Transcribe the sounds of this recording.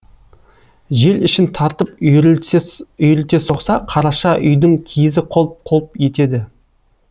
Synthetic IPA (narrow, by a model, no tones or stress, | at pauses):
ʒe̞ɾɪʃɪnt̪ʰɑɾt̪əp | ʏjɪlt̪e̞so̞qsɑqʰɑɾɑʃɑʔʏjd̪ɪŋkʲʰijɪzɪqʰolˠp̚qʰolˠəpje̞t̪e̞d̪ɪ